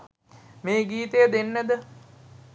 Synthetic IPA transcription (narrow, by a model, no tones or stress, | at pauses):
meːɡiːt̪əjəd̪enːəd̪ə